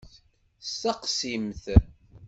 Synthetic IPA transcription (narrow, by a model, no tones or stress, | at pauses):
staqsimθ